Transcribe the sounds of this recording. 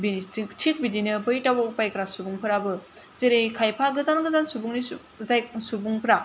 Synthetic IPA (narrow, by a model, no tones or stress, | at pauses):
bitʰik̚bidinɯbɯjtawapajkɾasubuŋpʰɯɾabɯ | zeɾejkʰajpʰaɡɯzanɡɯzansubuŋni | zajk̚subuŋpʰɯɾa